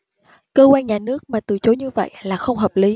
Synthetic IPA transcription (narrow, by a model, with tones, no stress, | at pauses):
kəː˧kwaː˧nɲaː˨˩nɨ˦˥ək̚maː˨˩t̪ɨ˨˩t͡ɕo˨˦ɲɨ˧və̰˧˨jlaː˨˩xə˧wŋ͡mɦəː˨˩p̚li˨˦